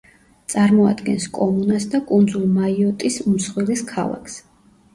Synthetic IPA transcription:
t̪sʼaɾmɔa̰d̪ɡɛnskʼɔmunasd̪akʼund̪zulˠmaiɔt̪ʼismsχwiliskʰa̰la̰kʰs

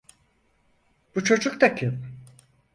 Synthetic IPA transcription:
b̥ut͡ʃʰo̞d͡ʒukt̪akʰɯl

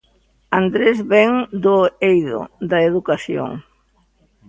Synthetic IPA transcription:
and̪ɾezβɛŋd̪ʊejðʊ̰d̪ɐeðukaθjo̰ŋ

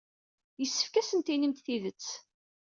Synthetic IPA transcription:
jəsːə̥fkæsənt̪inəmt̪θiðət͡sː

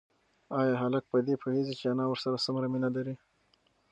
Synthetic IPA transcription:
ɑjɑɦalak̚pəd̪epʰohezit͡ʃeanɑwəɾsaɾasamɾaminalaɾi

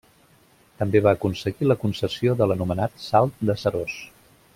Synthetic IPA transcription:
t̪əmbeβaːkunsəɣiləkunsəsioðələnumənat̪salˠt̪̚d̪əsəɾos

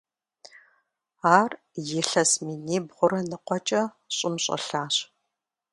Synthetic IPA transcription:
aːr | jɪɬɐsminiːbʁʷʊɾɐnɨqʷɔt͡ʃʼɐ | ɕʼɪmɕʼɐ̰ɬaːɕ

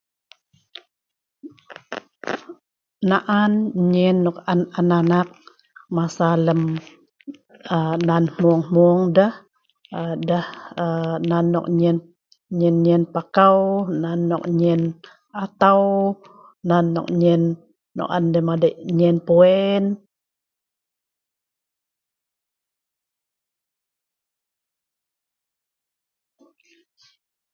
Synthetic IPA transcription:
naʔanɲɛnːɔkanananak̚ | masaləm | ənanmuŋmuŋdəh | dəhənanːɔ̰k̚ɲɛn | ɲɛnɲɛnpakawnanːɔ̰k̚ɲɛn | at̪aw | nanːɔ̰k̚ɲɛnː | ɔ̰ʔandəmadəʔɲɛnpuɛn

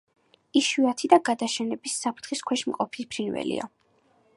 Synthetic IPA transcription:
iʃuat̪ʰid̪aɡad̪aʃɛnɛbisːapʰɾt̪ʰχiskʰwɛʃmqʼɔpʰispʰɾinvɛ̰lḭa̰

